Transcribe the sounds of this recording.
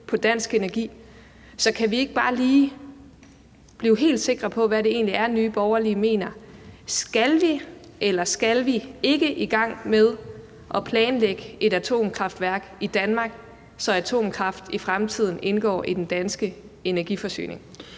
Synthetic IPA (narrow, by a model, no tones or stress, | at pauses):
pʰɒ̽d̥ænsɡ̥e̝næɐɡ̥ḭː | sɒ̽kʰæʋie̝ɡ̥əb̥ɑ̈ːliː | b̥liːʊɦe̝̰ːld̥se̝ɡ̥ʁɐpʰɒ̽ʋæɾe̝e̝̰ːnliæɐnyːb̥ɒʊɐlime̝̰ːnɐsɡ̥ælʋi | ʔelɐsɡ̥ælʋie̝ɡ̥əʔiɡ̥ɑ̈ŋ̰með̞ˠ | ʔɒ̽pʰlɛːnleɡ̥əe̝ɾæt͡sʰo̝̰ːmkʰʁɑ̈fd̥ʋæɐɡ̥id̥ænmɑ̈ɡ̥ | sɒ̽æt͡sʰo̝̰ːmkʰʁɑ̈fd̥ifʁamt͡sʰið̞̰ˠn̩ʔe̝nɡ̥ɒ̰ːʔid̥en̩d̥ænsɡ̥ə | e̝næɐɡ̥ifɒ̽sy̰ːne̝ŋ